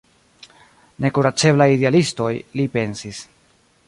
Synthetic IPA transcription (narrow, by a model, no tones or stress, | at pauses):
ne̞kuɾat͡ʃe̞blajidealisto̞jlipe̞nsis